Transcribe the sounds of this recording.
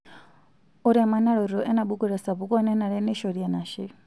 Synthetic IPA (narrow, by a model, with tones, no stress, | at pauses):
u˨ɾa˨ma˨na˦ɺɔ˨ɾɔ˨ʔɛ˦na˨ɓu˦ɡu˦ɾɛ˨sa˨pu˨kɔ˦nɛ˦na˨ɺɛ˦nɛ˦ʃɔ˨di˨a˨na˨ʃɛ˦